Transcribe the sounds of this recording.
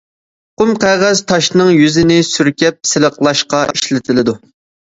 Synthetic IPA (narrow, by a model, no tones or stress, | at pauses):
qʊmqʰæʁæz̥t̪ʰɑʃnɨŋjyzɪnɪsyɾkʲɛp̚sɪləqlˠɑʃqɑiʃlɪt̪ʰɪlɪd̪u